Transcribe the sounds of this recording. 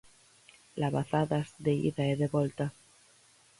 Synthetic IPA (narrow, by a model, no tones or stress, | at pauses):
laβaθaðasðeḭðaeðeβolt̪a